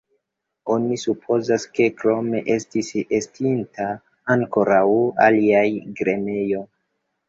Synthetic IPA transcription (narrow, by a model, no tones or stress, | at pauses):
o̞nisupʰo̞zaske̞kɾo̞me̞ʔe̞stisestintaː | ŋko̞ɾawa̰liajɡɾeme̞jo̞